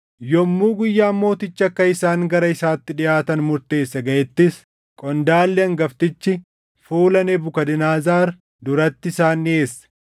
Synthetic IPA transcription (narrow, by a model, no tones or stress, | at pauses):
jɔmːuːɡʊjːaːmːo̞ːt̪ɪt͡ʃːɐkːɐɪsaːŋɡɐɾɐɪsaːt̪ːɪᶑɪjʔaːt̪ɐnmʊɾt̪e̞ːsːɐɡɐʔɛt̪ːɪs | kʼɔnd̪aːlːɪɐŋɡɐft̪ɪt͡ʃːɪ | fuːlɐnebʊkɐd̪ɪnaːzaːɾ | d̪ʊɾɐt̪ːɪɪsaːnːe̞ːsːɐ̥